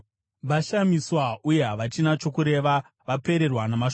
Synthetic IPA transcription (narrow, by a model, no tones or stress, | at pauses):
ʋaʃamiswauje̞ɦaʋat͡ʃinat͡ʃo̞kuɾe̞ʋa | ʋape̞ɾe̞rwanamaʃ